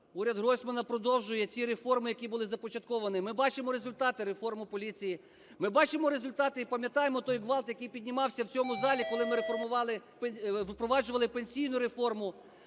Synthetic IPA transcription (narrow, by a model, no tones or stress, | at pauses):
uɾʲɐd̪ɦɔsʲmɐnɐpɾɔd̪ɔwʒʊjɛt͡sʲiɾefɔrmɪjɐkʲibʊlˠɪzɐpɔt͡ʃɐt̪̚kɔʋɐnɪmɪbɑt͡ʃemɔɾezʊlʲt̪ɑt̪ɪɾefɔrmʊpɔlʲit͡sʲiji | mɪbɑt͡ʃemɔɾezʊlʲt̪ɑt̪ɪipɐmʲjɐt̪ɑjemɔt̪ɔjɦʋɑlˠt̪jɐkijpʲid̪ʲnʲimɑwsʲɐwt͡sʲɔmʊzɑlʲikɔlˠɪmɪɾefɔrmʊʋɑlˠɪpʋɪpɾɔʋɑd͡ʒʊʋɐlˠɪpenʲsʲijnʊɾefɔrmʊ